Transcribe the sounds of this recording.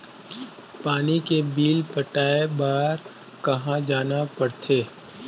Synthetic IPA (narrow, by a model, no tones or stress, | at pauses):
paːnikebiːlpəʈaːebaːɾ | kɐɦãd͡ʒaːnapɐɽt̪ʰeː